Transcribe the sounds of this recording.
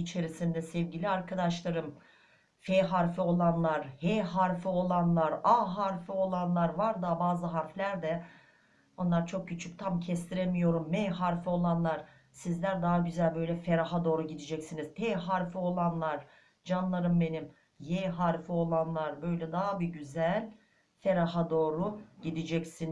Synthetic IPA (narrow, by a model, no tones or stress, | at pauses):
it͡ʃʰe̞ɾisind̪ɛsɛvɟilʲiaɾkʰad̪aʃlˠaɾɯm | feɦaɾfio̞lˠanlˠaɾheːɦaɾfio̞lˠanlˠaɾaɦaɾfio̞lˠanlˠaɾvaɾd̪abaːzɯɦaɾflʲæɾd̪ɛ | o̞nlˠaɾt͡ʃʰo̞k̚cʰyt͡ʃʰyc̚t̪ʰamcʰɛst̪ʰiɾemijo̞ɾumːehaɾfio̞lˠanlˠaɾ̥ | sizlʲæɾd̪aɦaɟyzælʲbø̞jlʲɛfe̞ɾaɦad̪o̞ːɾuɟid̪id͡ʒɛcsiniz̥pʰeːɦaɾfio̞lˠanlˠaɾ̥ | d͡ʒanlˠaɾɯmbe̞nim | jeɦaɾfio̞lˠanlˠaɾbø̞jlʲɛd̪aɦabiɟyzælʲ | fe̞ɾaɦad̪o̞ːɾuɟid̪id͡ʒɛcsin